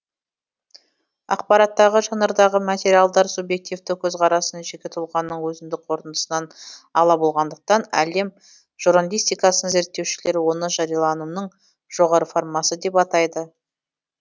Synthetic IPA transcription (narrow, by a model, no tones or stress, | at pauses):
ɑ̰q̚pɑɾɑt̪ːɑʁəʒɑnəɾd̪ɑʁəmat̪ʲe̞ɾijalˠd̪ɑɾsubje̞k̚t̪ivt̪ɪkʲʰɵzqʰɑɾɑsənɑʒe̞kʲet̪ʰʊlˠʁɑnːəɴwɵzɪnd̪ɪk̚qʰo̞ɾt̪ənd̪əsənɑnɑlˠɑbo̞lˠʁɑnd̪əq̚t̪ɑnæ̰le̞m | ʒ̥urnalʲijst̪ijkɑsənze̞ɾt̪ːewʃɪle̞ɾwo̞nəʒɑɾijɑlˠɑnunəɴ | ʒ̥o̞ʁɑɾəfoɾmɑsəd̪e̞pɑt̪ɑjd̪ə